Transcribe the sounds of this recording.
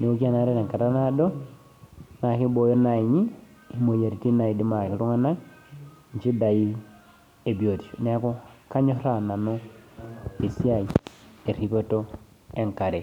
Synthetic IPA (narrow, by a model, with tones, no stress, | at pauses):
ne˨o˦ki˦a˦na˨˦ɾe˦na˨ŋka˨ta˦na˦do˦ | na˨ki˦bo˨jo˦na˨i˨ɲi˦ | i˨mo˨ja˨ɾi˨ti˦na˨i˨di˦ma˨ki˨ɾu˦ŋa˦na˦ | ɲt͡ʃi˦da˨i˦ | e˨bi˨o˨ti˨n˦a˦ko˦ka˦ɲo˦ɾa˨na˨no˦ | e˨si˦a˦˨i˨e˨ɾi˨po˦to˦ | e˨ŋka˨ɾe˨